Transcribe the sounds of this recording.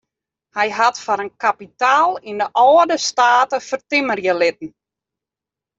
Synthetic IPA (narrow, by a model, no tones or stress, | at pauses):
hɛjɦatfaɾənkapitaːlˠindəʔɔədəstaːtəfərtɪmərjəlɪtn̩